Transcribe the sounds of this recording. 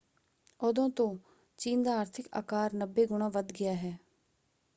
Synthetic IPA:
ʊd̪õːt̪õː | t͡ʃiːnd̪aːaːɾt̪ʰɪka̰ːkaːɾnəbːeːɡʊɳãːʋəd̪ɡɪjaːɦɛː

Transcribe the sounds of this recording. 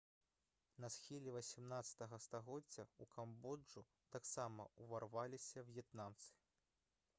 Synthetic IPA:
nɐsxʲilʲivɐsʲimnat̪sɐ̥t̪ɐɣɐst̪aɣɔd͡zʲːɐukambɔd͡ʐu | t̪aksamɐuvarvalʲisʲɐvjɛt̪namt̪sɨ̥

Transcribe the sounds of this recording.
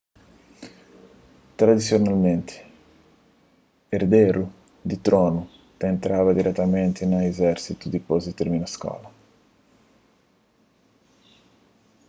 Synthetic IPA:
t̪ɾad̪isjonalment̪ʰɪ̥ | eɾd̪ɛːɾu | d̪it̪ɾɔːnu | t̪ent̪ɾaːvad̪iɾʔɛt̪ːament̪ɪnaezɛɾsit̪ud̪ipozit̪eɾminaskɔ̰ːla

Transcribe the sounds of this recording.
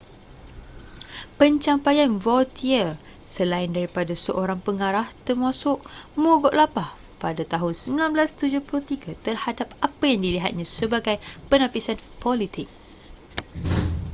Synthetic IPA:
pəɲt͡ʃampajanvɔlt̪ʰiə | səlaɪndaɾipadasəʔoɾaŋpəŋaɾaht̪ərmãsʊʔmoɡɔʔlapah | padat̪aɦʊnsəmbilanblast̪ud͡ʒʊhplot̪iɡat̪ərhadap̚apajaŋdiliɦat̪̚ɲãsəbaɡajpənapisanpɔlit̪ɪk̚

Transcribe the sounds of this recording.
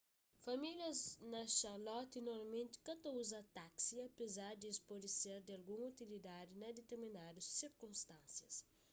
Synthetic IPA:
fɐmiljɐznɐʃɐɾlɔt̪inɔɾɐmẽnt̪i̥kɐt̪ɐuzɐt̪aksiɐpezaɾd̪iespɔd̪iseɾd̪iɐlɡũŋut̪ilid̪ad̪inɐd̪et̪eɾminad̪usːiɾkũmst̪ãnsjɐs

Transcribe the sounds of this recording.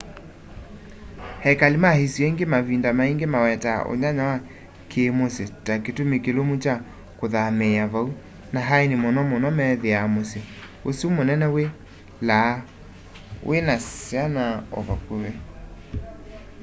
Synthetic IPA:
hɛkalemahesjaiŋɡemaβindamaeŋɡemawɛtaʔo̰ɲaɲawa | kʰemosetaketomekelomut͡ʃa | koðamɛaβau | naɦaenemɔnɔmonɔmɛðeamose | osumonɛnɛwe | la | wʔenasjanaɔ̰βakowɛ

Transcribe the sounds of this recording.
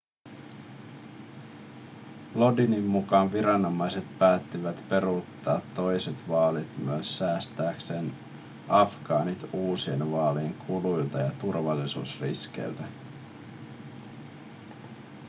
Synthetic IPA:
lo̞dinimːukɑnʋiɾɑno̞mɑjse̞t̪pæːt̪ːiʋæt̪pe̞ɾut̪ːɑːt̪ːo̞jset̪ʋɑːlit̪myøəsːæːst̪æːkse̞ːn | ʔɑfɡ̥ɑːnit̪uːsie̞nʋɑːlieŋkʰulujlt̪ɑjɑt̪urʋɑlːisṵːsrḭskḛlt̪æ

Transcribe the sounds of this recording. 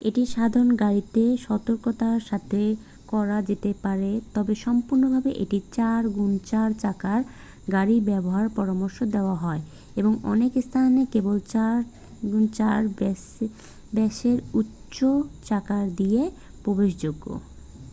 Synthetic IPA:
eʈiʃad̪ʱaɾonɡaɾit̪eʃɔt̪oɾkot̪aɾʃat̪ʰe | kɔɾad͡ʑet̪epaɾet̪ɔbeʃɔmpuɾnobʱabeʔeʈit͡ɕaɾɡunt͡ɕaɾt͡ɕakaɾ | ɡaɾibɛboɦaɾpɔɾamoɾʃod̪eoaɦɔe | eboŋɔnekst̪ʰanekebolt͡ɕaɾ | ɡunt͡ɕaɾ | bɛʃeɾutː | ɕot͡ɕakaɾd̪ie | pɾobeʃd͡ʑoɡːo̰

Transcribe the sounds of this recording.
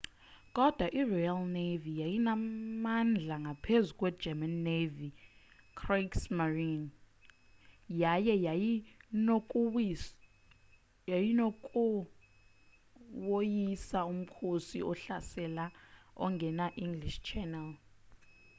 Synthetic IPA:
kʼɔd̥ʱwaʔirɔjalnevijajinamand͡ɮʱaŋɡʱapʰezukʼwɛ̥d͡ʒʱɛmanːevi | kʰraksmarin | jajɛ | jinokʼu | wojisaum̩kʰosḭʔɔɬasɛlaɔ̰ŋɡʱɛnaʔiŋɡliʃt͡ʃʰɛnɛl

